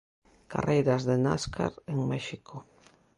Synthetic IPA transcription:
ka̰rejɾazðena̰skʰa̰ɾeŋmɛʃikʰo

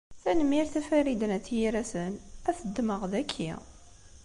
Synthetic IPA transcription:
θænəmːiɾθæfæɾid̪ənæt͡sːjiɾæsənæθəd̪ːməʁðækʰːḭ

